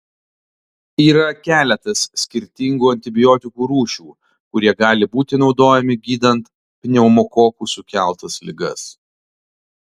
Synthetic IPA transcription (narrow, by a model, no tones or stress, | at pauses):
iːɾɐkʲæːlʲɛt̪ɐsːʲkʲɪɾʲt̪ʲɪŋɡuːɐnʲt̪ʲɪbʲɪjoːt̪ʲɪkuːɾuːʃʲuː | kʊɾʲiɛɡɑːlʲɪbuːt̪ʲɪnɒʊd̪oːjɛmʲɪɡʲiːd̪ɐnt̪ | pʲnʲɛʊmɔkoːkuːsʊkʲæˑlˠt̪ɐslʲɪɡɐ̰s